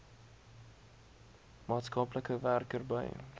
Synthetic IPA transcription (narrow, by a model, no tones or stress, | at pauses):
mɑːtskɐpləkəværkərbə̰j